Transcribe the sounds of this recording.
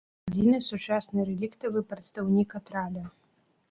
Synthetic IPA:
ad͡zʲinɨsut͡ʂasnɨɾɛlʲikt̪ɐvɨpɾɐt̪st̪awnʲikat̪ɾalʲɐ

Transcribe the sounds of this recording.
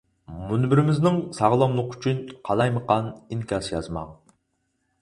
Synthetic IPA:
munbɪɾɪmɪznɪŋsɑʁlˠɑŋlˠəqy̥t͡ʃʰynqʰɑlˠɑjməqʰɑniŋkʲɑsjɑ̰zmɑ̰ŋ

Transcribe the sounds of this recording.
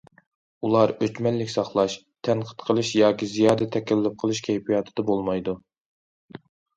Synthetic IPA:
ulˠɑɾøt͡ʃmɛlːɪkʲsɑχlˠɑʃ | t̪ʰɛnqʰə̥t̪qʰəlˠɨʃjɑːkʲizijɑːd̪ɛt̪ʰɛkʲɛlːɪp̚qʰəlˠɨʃkʲʰɛjpʰijɑt̪ʰɨ̥d̪̥ɑbolˠmɑjd̪u

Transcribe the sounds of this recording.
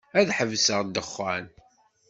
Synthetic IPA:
æðħəvsəʁd̪əχːæn

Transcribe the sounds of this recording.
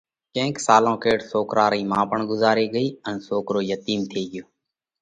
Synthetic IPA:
kẽːksaːlõːkeːʈsoːkɾʔaːɾiːmãːpəɳɡʊzaːɾeːɡəiːənsoːkɾoːjət̪iːmt̪ʰeːɠɪjoː

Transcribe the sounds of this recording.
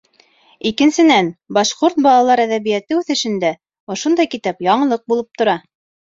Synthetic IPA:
ikɘ̆nsɘ̆nænbɑʃqoɾt̪̚bɑlˠɑlˠɑɾæðæβijæt̪ɘʉθɘ̆ʃɘ̆nd̪æ | ŏʃŏnd̪ɑjkit̪æpjɑɴɤ̆lˠɤq̚bulˠɤp̚t̪ŏɾɑ

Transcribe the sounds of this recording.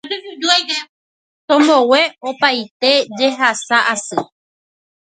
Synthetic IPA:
t̪õmbowe̞opajt̪e̞d͡ʒe̞ɦasaʔasɨ

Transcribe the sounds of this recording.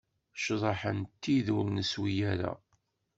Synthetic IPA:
ʃðˤɑħənt̪ːiðʊlnəswijæɾæ̰

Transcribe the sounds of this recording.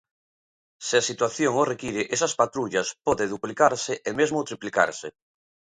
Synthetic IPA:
sɪasit̪waθjoŋorekiɾeʔesɐspat̪ɾuʎɐspɔðeðuplikaɾsɪʔemezmot̪ɾiplika̰ɾsḛ

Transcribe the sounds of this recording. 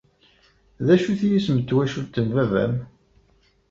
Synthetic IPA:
ðæʃuθjismət̪ːwæʃult̪ːənvævæ̰m

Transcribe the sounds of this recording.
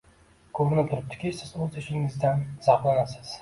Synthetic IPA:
kʰovnɪt̪ʰʊɾɪp̚t̪ʰɪ̥kʲʰɪsɪzɵzɪʃɪŋɪzd̪anz̥ɑqlˠanasɪz̥

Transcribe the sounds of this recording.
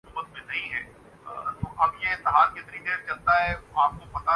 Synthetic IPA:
ubət̪mẽnɐɦĩɦɛː | t̪oʔɐbjeɪ̃t̪əɦaːɾkɪt̪nid̪eːɾt͡ʃɐlt̪aɦɛaːp̚kopɐt̪a

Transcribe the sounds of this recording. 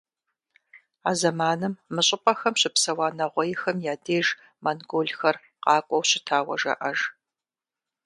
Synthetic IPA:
aːzɐmaːnɨmːɨɕʼɪpʼɐxɐmɕɪpsɐwaːnɐʁʷɔjɪxɐmjaːdeːʒ | mɐnɡoːɮxɐr | qɑːkʷʼɔwɕɪtʰaːwɐ̰ʒɐ̰ʔɐʒ

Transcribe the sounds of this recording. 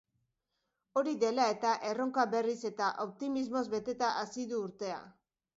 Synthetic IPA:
o̞ɾiðe̞lae̞t̪aʔe̞ro̞ŋkaβe̞rise̞t̪aʔop̚t̪imizmo̞zbe̞t̪e̞t̪aʔasiðuːɾt̪e̞a̰

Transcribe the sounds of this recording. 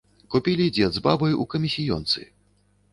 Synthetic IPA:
kupʲilʲid͡zʲɛd̪zbabɐjukɐmʲisʲijɔ̰nt̪sɨ̰

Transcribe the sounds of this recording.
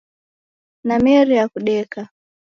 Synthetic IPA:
namɛɾijakuɗɛka

